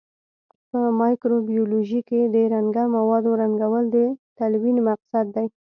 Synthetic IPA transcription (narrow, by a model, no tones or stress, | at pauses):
pəmɑjkɾobioloʒiked̪əɾaŋɡamawɑd̪oɾaŋɡawəld̪ət̪alwinmaqsad̪ːaj